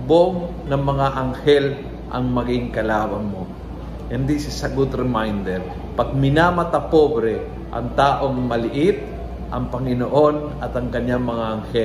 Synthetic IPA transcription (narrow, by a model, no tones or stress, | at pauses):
boŋ | nɐŋmɐŋaʔɐŋhɛl | ʔɐ̰ŋmɐɡɪŋkɐlaːbɐnmo | hɪnd̪isɪsɐɡʊd̪ɾɪmajnd̪ɛɾ | pɐɡ̚mɪnamɐt̪ɐpobɾɛ | ʔɐ̰ŋt̪aːʔo̞ŋmɐlɪʔɪt̪̚ | ʔɐŋpɐŋɪnoʔonɐt̪ɐŋkɐɲaŋmɐŋaʔɐŋhɛ